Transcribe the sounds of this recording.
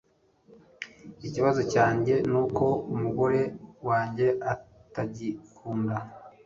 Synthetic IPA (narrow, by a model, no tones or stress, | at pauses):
iciβazo̞caːɲɟe̞nuːko̞umuɡo̞ɾe̞waːɲɟe̞ataɟikʰuːnda